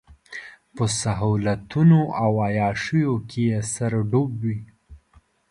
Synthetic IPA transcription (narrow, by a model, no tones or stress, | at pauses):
pəsaɦɑlat̪unoʔawajɑʃəjokʰejesaɾɖobwi